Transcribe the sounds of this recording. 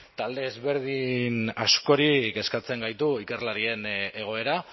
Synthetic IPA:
t̪ald̪e̞ːzβe̞ɾð̞inasko̞ɾike̞skat͡se̞ŋɡajt̪uike̞rlaɾie̞ne̞ɣ̞o̞e̞ɾa

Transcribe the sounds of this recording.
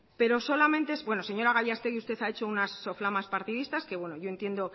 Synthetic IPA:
pe̞ɾo̞so̞lamẽ̞nt̪esbwe̞no̞se̞ɲo̞ɾaɣ̞aʎast̪e̞ɣiust̪e̞θaet͡ʃo̞unasːo̞flamaspaɾt̪iðist̪aske̞βwe̞no̞ʝo̞e̞nt̪je̞nd̪o̞

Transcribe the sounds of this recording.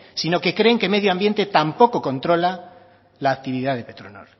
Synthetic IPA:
sino̞ke̞kɾe̞ːŋke̞meðjoãmbje̞nt̪e̞t̪ampo̞ko̞ko̞nt̪ɾo̞la | laːk̚t̪iβ̞iðaðe̞pe̞t̪ɾono̞̰l

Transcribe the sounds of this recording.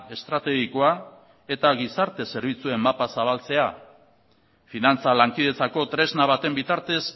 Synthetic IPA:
e̞st̪ɾat̪e̞ɣiko̞a | e̞t̪aɣisaɾt̪e̞se̞ɾβ̞it͡sue̞mːapasaβ̞alt͡se̞a | finant͡salaŋkið̞e̞t͡sako̞t̪ɾe̞znaβat̪e̞mbit̪aɾt̪e̞s

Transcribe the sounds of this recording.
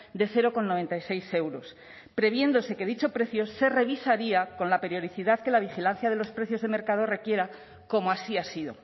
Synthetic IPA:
d̪e̞θe̞ɾo̞ko̞nːo̞β̞e̞nt̪ajse̞jse̞wɾo̞s | pɾe̞β̞je̞nd̪o̞se̞ke̞ðit͡ʃo̞pɾe̞θjo̞se̞re̞β̞isaɾiako̞nlape̞ɾjo̞ð̞iθiðaðke̞laβ̞ixilan̟θjaðe̞lo̞spɾe̞θjo̞zðeme̞ɾkað̞o̞re̞kje̞ɾa | ko̞moasiasiðo̞̰

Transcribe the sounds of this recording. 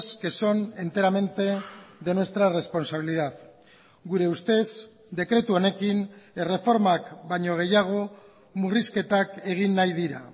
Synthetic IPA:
ske̞so̞ne̞nt̪e̞ɾame̞nt̪e̞ðe̞nwe̞st̪ɾaere̞spo̞nsaβ̞iliðað | ɡuɾe̞ust̪e̞z | d̪e̞kɾe̞t̪uo̞ne̞kine̞re̞fo̞ɾmakbajɲo̞ɣ̞e̞jaɣ̞o̞ | muriske̞t̪ake̞ɣ̞inːajð̞iɾa̰

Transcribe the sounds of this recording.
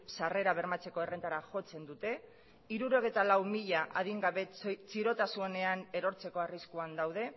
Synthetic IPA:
sare̞ɾaβ̞e̞ɾmat͡se̞ko̞e̞re̞nt̪aɾaʝo̞t͡se̞nd̪ut̪e̞ | iɾuɾo̞ɣ̞et̪alawmiʎaʔaðiŋɡaβe̞t͡siɾo̞t̪asue̞ne̞aneɾo̞ɾt͡se̞ko̞ariskuand̪awð̞e̞

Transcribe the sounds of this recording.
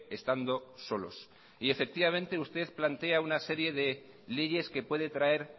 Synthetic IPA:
e̞st̪and̪o̞so̞lo̞̰s | ie̞fe̞k̚t̪iβamẽ̞nt̪e̞ust̪e̞θplant̪e̞aunase̞ɾje̞ðe̞ | leʝe̞ske̞pwe̞ðe̞t̪ɾae̞ɾ

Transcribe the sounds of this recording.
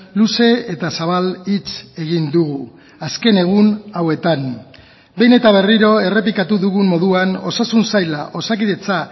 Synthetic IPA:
luse̞et̪asaβ̞alit͡se̞ɣind̪uɣu | aske̞ne̞ɣ̞unawe̞t̪an | be̞jne̞t̪aβ̞e̞riɾo̞e̞re̞p̬ikat̪uðuɣummo̞ðuano̞sasunsajla̰ʔo̞sakiðe̞t͡sa

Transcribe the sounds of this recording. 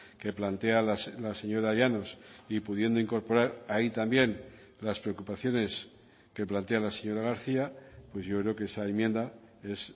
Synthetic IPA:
ke̞plant̪e̞alaslase̞ɲo̞ɾajano̞sipuð̞je̞nd̪oiŋko̞ɾpo̞ɾaɾait̪ambje̞n | laspɾeokupaθjo̞ne̞s | ke̞plant̪e̞alase̞ɲo̞ɾaɣ̞aɾθiapwe̞zʝo̞kɾe̞okeesaemje̞nd̪a | e̞s

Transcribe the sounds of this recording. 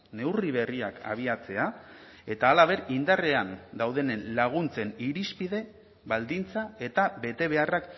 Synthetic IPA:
ne̞wriβe̞riaka̰β̞iat͡se̞a | e̞t̪aːlaβe̞ɾind̪are̞and̪awðe̞nenlaɣ̞unt͡se̞niɾispiðe̞ | βald̪int͡sae̞t̪aβe̞t̪e̞β̞e̞arak

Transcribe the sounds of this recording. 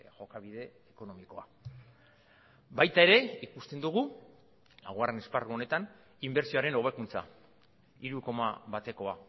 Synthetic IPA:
ʝo̞kaβið̞e̞ːko̞no̞miko̞a | bajt̪ae̞ɾe̞ikust̪e̞nd̪uɣ̞u | laɣware̞ne̞sparuo̞ne̞t̪an | imbe̞ɾsioaɾe̞no̞β̞e̞kunt͡sa̰ | iɾuko̞ma̰βat̪e̞ko̞a

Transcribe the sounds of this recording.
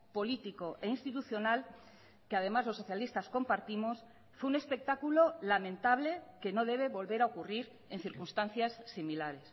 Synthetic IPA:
po̞lit̪iko̞ʔe̞inst̪it̪uθjo̞nal | keað̞e̞mazlosːo̞θjalist̪asko̞mpaɾt̪imo̞s | fweune̞spe̞k̚t̪akulo̞lamẽ̞nt̪aβ̞le̞ke̞no̞ðe̞β̞e̞βo̞lβe̞ɾaokuriɾ | e̞nθiɾkunst̪an̟θjasːimilaɾe̞s

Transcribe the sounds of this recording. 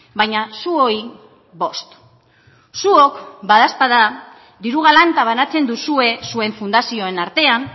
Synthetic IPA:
bajɲasuo̞i | βo̞st̪ | suo̞kbað̞aspaða | ðiɾuɣ̞alant̪aβ̞anat͡se̞nd̪usue̞sue̞ɱfund̪asio̞e̞naɾt̪e̞an

